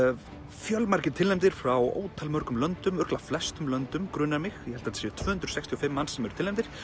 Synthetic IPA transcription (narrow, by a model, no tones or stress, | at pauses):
fjœlmaɾcɪnt̪ʰɪlːɛmt̪ɪɾ̥fɾawo̰ːwt̪ʰalmœɾkʏmlœnt̪ʏmœɾklaflɛst̪ʏmlœnt̪ʏmkɾʏnamɪxjɛhɛlt̪ansjʏt̪ʰvœːhʏnt̪ɾʏ̥sɛkst̪ʰiɔfɪmːansːɛmɛɾʏt̪ʰɪlɛmt̪ɪɾ̥